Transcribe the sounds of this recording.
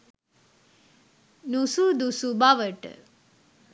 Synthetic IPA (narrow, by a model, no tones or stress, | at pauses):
nusud̪usubaʋəʈ